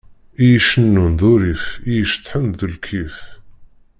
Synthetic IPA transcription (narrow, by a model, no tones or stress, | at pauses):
ijəʃənːunðuɾifijəʃt̪ːˤħənðəlkʰiθ